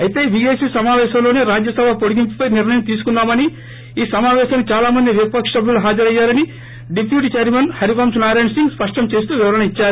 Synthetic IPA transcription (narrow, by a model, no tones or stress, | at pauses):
ɐjt̪e̞ːʋiɡeːsiːsɐmaːʋɛːʃɐmlo̞ːneːɾaːd͡ʒjɐsɐbʱɐpoɽiɡimpupɐjniɾnɐjɐmt̪iːsu̥kunːaːmɐni | iːsɐmaːʋɛːʃɐmnt͡ʃaːlaːmɐnd̪iʋjɐk̪pɐkʂɐbʱulɦaːd͡ʒɐɾɐjːaːɾɐni | ɖipʰjuːʈit͡ʃeɾmenhɐɾikoːmsunaːɾeːnsiŋɡspɐʂʈɐmt͡ʃe̞ːst̪uːʋiʋɐɾɐɳɐit͡ʃːaːɾu